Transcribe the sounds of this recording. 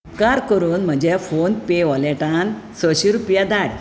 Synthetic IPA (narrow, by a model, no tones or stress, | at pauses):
kaɾkəɾuːnm̤əd͡ʑɛfonpeʋɔlɛʈãnt͡səɕiɾupjad̪aɽ